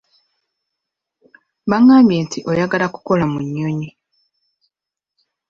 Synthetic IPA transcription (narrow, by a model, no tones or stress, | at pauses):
βaŋːaːmbjeːntiʔo̞jaɡalaku̥ko̞lamuɲːoɲi